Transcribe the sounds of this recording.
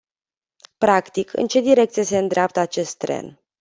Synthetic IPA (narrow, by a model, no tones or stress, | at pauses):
pɾakt̪ikʰɨ̰nt͡ʃe̞d̪iɾe̞k̚t̪sijese̞ɨnd̪ɾeap̚t̪əat͡ʃe̞st̪ːɾe̞̰n